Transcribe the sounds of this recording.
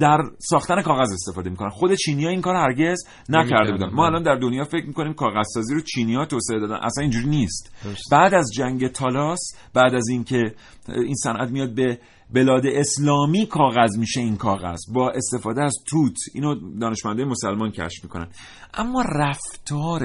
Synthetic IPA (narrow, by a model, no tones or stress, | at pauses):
d̪̥æɾsɒːxt̪ænekɒːɣæze̞st̪e̞fɒːd̪e̞miko̞nænxo̞d̪e̞t͡ʃʰiːnijɒːiŋkʰɒːɾohæɾɟe̞z | næcʰæɾd̪e̞bud̪æ̰nmɒːælɒnd̪æɾd̪onjɒːfe̞cʰmiko̞niːmkʰɒːɣæzsɒːziːɾot͡ʃʰiːniːhɒːt̪oːseed̪ɒːd̪æ̰nʔæ̰sæniːnd͡ʒuːɾiːnist̪bæːd̪æzd͡ʒæŋɟe̞t̪ʰɒːlɒːs | bæːd̪æzincʰe̞ | insænʔæ̰t̪mijɒːd̪̚be̞ | be̞lɒːd̪eʔeslɒːmiːkʰɒːɣæzmiːʃe̞inkʰɒːɣæ̰z̥bɒːʔe̞st̪e̞fɒːd̪eæzt̪ʰuːt̪ʰiːnod̪ɒːneʃmænd̪ːjemo̞sælmɒncʰæ̰ʃfmiːkʰo̞næ̰n | ʔæmːɒːræft̪ʰɒːɾ